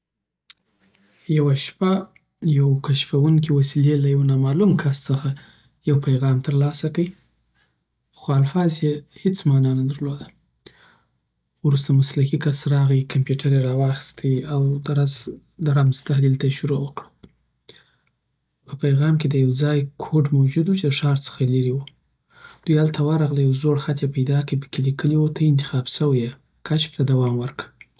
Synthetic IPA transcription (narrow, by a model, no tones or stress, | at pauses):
jawaʃpa | jawkaʃfawuŋkiwasilelajawnɑmɑlumkʰast͡səxa | jawpajɣɑmt̪əɾlɑsakai | xoalfɑzjehet͡smɑnɑnad̪əɾlod̪a | wɾust̪amaslakikasɾɑɣikampjuʈʰaɾeɾɑwɑxi̥st̪ʰiawd̪əɾaz | d̪əɾamzt̪aɦlilt̪aʃʊɾowəkɽə | pəpajɣɑmked̪əjawd͡zɑjkʰoɖmawd͡ʒud̪wut͡ʃeləʂɑɾt͡sə̥xalaɾiwu | d̪̥ujalt̪awəɾɑɣlajawzoɽxat̪japajd̪ɑkəjpə̥kelikəliwot̪ʰaɪnt̪ɪ̥xɑbsəwaje | kat͡ʃp̚t̪ad̪awɑmwəɾkə